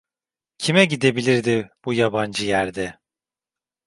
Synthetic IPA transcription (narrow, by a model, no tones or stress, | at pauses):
cʰimɛɟid̪e̞bilʲiɾd̪ɪb̥ujaband͡ʒɯjæɾd̪ɛ